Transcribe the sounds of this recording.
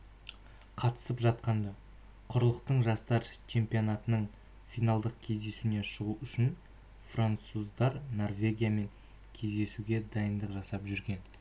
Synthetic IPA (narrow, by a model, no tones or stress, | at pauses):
qʰɑt̪ə̥səpʒɑt̪̚qɑnd̪ɑ | qʰʊɾəlˠəq̚t̪əɴʒɑst̪ɑɾt͡ʃʰe̞mpijo̞nɑt̪ənəɴ | fijnɑlˠd̪əq̚kʲʰe̞zd̪e̞suneʃəʁuʔʏʃɪn | frant̪suzd̪ɑɾno̞rvʲe̞ɡʲijame̞ŋ | kʲʰe̞zd̪e̞suɡʲe̞d̪ɑjənd̪əqʒɑsɑpʒʏɾɡʲe̞n